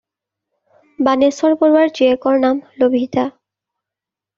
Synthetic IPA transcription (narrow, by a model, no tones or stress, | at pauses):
banesɔɹpɔɹwaɹd͡ʒiekɔɹnamlobʱita